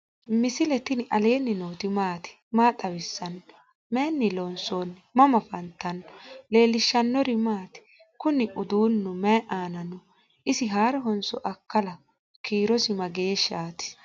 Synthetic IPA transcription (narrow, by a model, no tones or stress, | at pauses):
mɪsɪlɛt̪ːɪnɪʔɐle̞ːnːɪnoːt̪ɪmaːt̪ɪ̥ | maːt̪ʼɐwɪsːɐn | menːɪlɔnsoːnmɐmɐfɐnt̪ːɐnɔle̞ːlːɪʃːɐnːɔɾɪmaːt̪ɪ̥ | kʊnɪʔʊd̪uːnːʊmɛʔaːnɐnɔ | ʔɪsɪɦaːɾɔɦɔnsɔʔɐkːɐlɐ | kiːɾɔsɪmɐɡeːʃaːt̪ɪ̥